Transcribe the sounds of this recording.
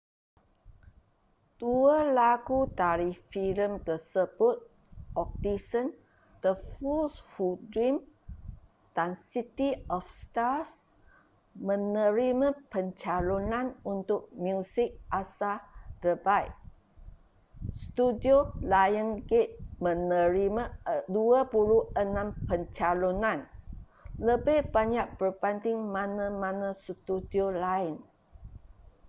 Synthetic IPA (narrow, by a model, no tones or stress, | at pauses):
d̥uəlaɡut̪aɾifiləmkəsəbʊt̪̚ | ɔk̚t̪isən | d̪̥əfulsfudɹim | d̥ansit̪iɔfst̪as | mə̃nə̃ɾimãpəɲt͡ʃalonãnunt̪ʊk̚miusɪk̚asadəbajʔ | st̪udiolajənɡet̪̚mə̃nəɾimaduapuluənãmpəɲt͡ʃalonãn | ləbɪhbaɲaʔ̚b̥ərbant̪ɪŋmãnə̃manãst̪udiolaɪn